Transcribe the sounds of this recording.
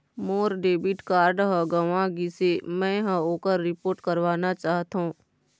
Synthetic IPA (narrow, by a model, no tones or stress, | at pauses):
moːɾɖeːbiʈkaːɾɖɦəɡəʋãɡisemɛ̃ɦə̃oːkəɾːɪpoːɾʈkəɾʋaːnat͡ʃaːɦt̪aɦũː